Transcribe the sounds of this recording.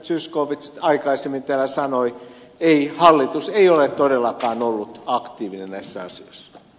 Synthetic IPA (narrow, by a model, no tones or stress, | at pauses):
t̪syskoːʋit̪st̪ɑikɑisemːint̪æˑlæsɑnoi | eihɑlːit̪useiolet̪t̪odelːɑkɑːnolːut̪ɑkt̪iːʋinennæisːæɑ̰sio̰isːɑ̥